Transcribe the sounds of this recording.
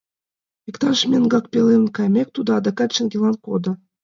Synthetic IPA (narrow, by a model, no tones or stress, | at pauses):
vʲikt̪ɑrʃmʲenɡɑk̚pʲelʲenkɑjmʲek̚ʲt̪ud̪ɑd̪ɑkɑt̪t͡ɕĕnɡʲelˠɑnkod̪ɤ̆